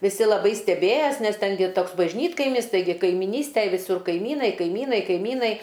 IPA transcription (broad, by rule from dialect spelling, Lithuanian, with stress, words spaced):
ʋʲɪˈsʲɪ lˠɐˈbɐɪ sʲtʲɛˈbʲeːjɛs nʲɛs ˈtʲɛn ɡʲɪ ˈtoːks bɐʒʲˈnʲiːtkɐɪmʲɪs ˈtɐɪɡʲɪ kɐɪmʲɪˈnʲiːsʲtʲæj ʋʲɪˈsʊr kɐɪˈmʲiːnɐɪ kɐɪˈmʲiːnɐɪ kɐɪˈmʲiːnɐɪ